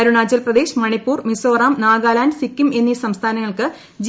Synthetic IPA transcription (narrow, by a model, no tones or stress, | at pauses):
ɐɾuɳaːd͡ʑɐlprɐd̪e̞ːɕmɐɳipːuːrmisoːraːmnaːɡaːlaːnsikʲːume̞nːisɐmst̪ʰaːnɐŋːɐɭkɨ | d͡ʑi